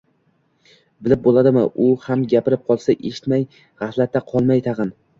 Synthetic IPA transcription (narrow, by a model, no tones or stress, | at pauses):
bɪlɪp̚bolˠad̪ɪmɪʔʊhamɡʲapɪɾɪp̚qʰɒlˠsaʔeʃɪ̥t̪maj | ʁahlat̪ʰːaqʰɒlˠmajt̪ʰɑʁɨn